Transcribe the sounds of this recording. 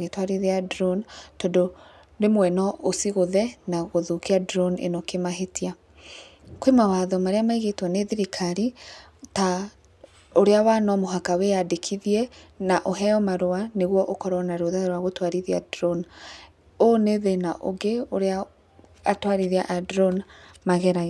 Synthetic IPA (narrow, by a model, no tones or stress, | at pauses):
ɣetwaɾiðeadɾɔntondo | ɾemwɛnɔosiɣoðɛnaɣoðukiadɾɔnḛnokemaɦetia | kwemawaðɔmaɾeamaiɣetwɔneðiɾikʰaɾi | ta | oɾeawanɔmoɦakawejadekʰiðiɛnaʔoɦɛjɔmaɾoaneɣwɔʔokɔɾwɔnaɾoðaɾwaɣotwaɾiðia̰dɾɔn | oneðenaʔo̰ɡeoɾea | atwaɾiðiaʔadɾɔnmaɣɛɾa